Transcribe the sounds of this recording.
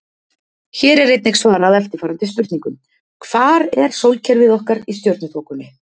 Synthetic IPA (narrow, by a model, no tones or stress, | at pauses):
çɛːɾɛɾːejt̪nejxsvaːɾaðɛlt̪ɪ̥faːɾant̪ɪsp̪ʏɾ̥t̪niŋkʏm | kʰv̥aːɾɛɾ̥sowlcʰɛɾvɪðɔhkaɾist̪joɾt̪nʏt̪ʰowkʏnːɪ